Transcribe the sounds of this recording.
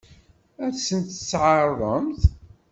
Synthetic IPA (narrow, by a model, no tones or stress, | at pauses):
æsənt̪ət͡sːʕɑrˤːəmθ